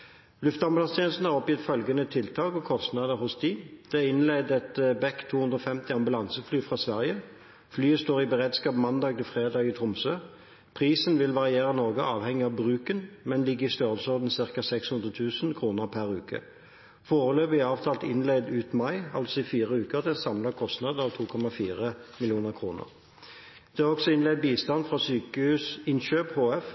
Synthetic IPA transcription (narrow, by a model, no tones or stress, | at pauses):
lʉft̪ɑmbʉlɑŋst̪ʰjɛːnəst̪n̩hɑʁɔpjɪt̪ːfœlɡənət̪ʰɪlt̪ʰɑːɡɔkʰɔst̪nɑd̪əʁhʊsd̪iːd̪̥ɛɪnlɛd̪ɛt̪bɛkt̪ʰːuːhʉnʁoːfɛmt̪ɪɑmbʉlɑnsəflyːfʁɑːsʋæʁjə | flyːəst̪oːʁɪbəʁeːd̪skɑːpmɑnd̪ɑːɡ̚t̪ɪfʁeːd̪ɑːɡɪt̪ʰʁʊmsøː | pʰʁiːsənʋɪlʋɑʁɪeːʁənɔʁɡəʔɑːʋhɛŋːɪɑʋbʁʉːkənmɛnlɪɡːəɪst̪øːʁəlsɔʁd̪n̩sɪʁkɑsɛkshʉnd̪ʁət̪ʰʉːsənkʰʁuːnəʁpʰæʁʉːkə̰ | foːʁəløːbəɪɑːʋt̪ʰɑːlt̪ɪnlɛɪd̪ʉːt̪mɑɪɑ̰lt̪sɔɪfiːʁəʉːkəʁd̪ɛsɑmlɑkʰɔst̪nɑːd̪ɑʋt̪ʰuːkʰɔmɑfiːʁəmɪlɪuːnəʁkʰʁuːnə̰ʁ | d̪̥ɛɑʁɔksɔɪnlɛɪd̪̚biːst̪ɑnfʁɑsyːkəhʉːsɪnʃøːphoːɛf